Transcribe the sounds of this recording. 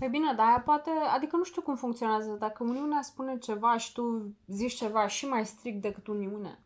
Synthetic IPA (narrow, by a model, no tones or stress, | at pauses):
ebine̞d̪aːjapoat̪e̞ad̪ikənuʃt̪ukumfuŋkt̪sio̞neazəd̪akəuniuneaspune̞t͡ʃe̞vaʃi̥t̪uzit͡ʃʲt͡ʃe̞vaʃimajst̪ɾik̚t̪̚d̪e̞kɨt̪uniunḛ